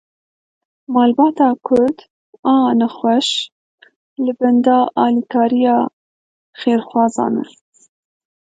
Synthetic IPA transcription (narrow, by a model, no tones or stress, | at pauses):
mɑːlbɑːt̪ɑːkʰʊɾd̪ | ɑːnaxwɐʃ | lɨbɛnd̪ɑːʔɑːlikɑːɾijɑː | xeːɾxwɑːzɑ̰ːnɛ̰